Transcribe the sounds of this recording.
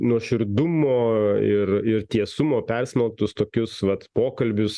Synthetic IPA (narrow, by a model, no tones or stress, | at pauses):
nuɔʃʲɪɾd̪ʊmoːɪrɪrt̪ʲiɛsʊmoːpʲɛrʲsʲmʲɛlˠt̪ʊst̪oːkʲʊsʋɐt̪poːkɐlʲbʲʊs